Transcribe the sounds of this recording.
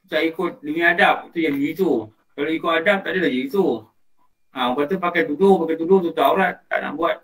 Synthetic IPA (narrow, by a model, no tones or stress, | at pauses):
t̪aʔikʊt̪̚dəŋiadap̚it̪ujaŋdiit̪u | kaloikʊtadap̚t̪aʔdəlad͡ʒiit̪u | aupat̪upakajt̪udʊpakajt̪udʊt̪ut̪aulat̪ːa̰ʔna̰ʔbuat̪̚